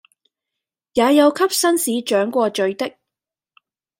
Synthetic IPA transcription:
jaː˨˧jɐ˨˧wkʰɐ˥p̚sɐ˥nsiː˨˧t͡ʃœː˨˥ŋkʷɔː˧t͡ʃɵ˨˧ɥt̪ɪ˥k̚

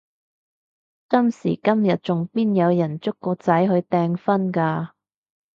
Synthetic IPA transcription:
kɐ˥msḭː˨˩kɐ˥mjɐ˨t̚t͡sʊ˨ŋpiː˥njɐ˨˧wjɐ˨˩nt͡sʊ˥kːɔː˧t͡sɐ˨˥jɦɵ˨˧ɥt̪ɛː˧ŋfɐ˥nkaː˧

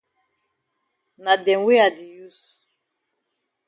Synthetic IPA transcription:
na˨dɛ˨˦we˦a˨di˨ju˦s

